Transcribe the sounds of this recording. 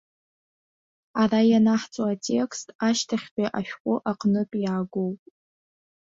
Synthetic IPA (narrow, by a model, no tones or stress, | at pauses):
arajanaħt͡sʼoatʰe̞kstʰʼaʃtʰaχʲbiʔaʃᶣqʷʼʊʔaqnɨpʼjaːɡʷowpʼ